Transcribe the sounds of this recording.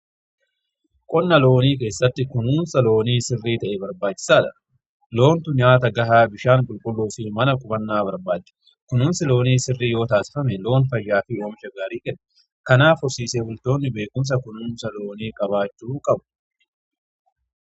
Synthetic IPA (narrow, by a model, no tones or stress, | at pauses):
kʼɔnːɐlo̞ːniːke̞ːsːɐt̪ːɪkʊnuːnsɐlo̞ːniːsɪrːiːt̪ɐʔɛbɐɾbaːt͡ʃːɪ̥saːᶑɐ̥̰ | lo̞ːnt̪ʊɲaːt̪ɐɡɐɦaːbɪʃaːŋkʼʊlkʼʊlːuːfɪmɐnɐkʼʊbɐnːaːbɐɾbaːdɛ̥ | kʊnuːnsɪlo̞ːniːsɪrːiːjo̞ːt̪aːsɪ̥fɐmɛlo̞ːnfɐjːaːfɪoːmɪʃɐɡaːɾiːkɛnɛ | kɐnaːfʊɾsiːseːbʊlt̪o̞ːnːɪbe̞ːkʊms̬ɐkʊnuːnsɐlo̞ːniːkʼɐbaːt͡ʃːuːkʼɐbʊ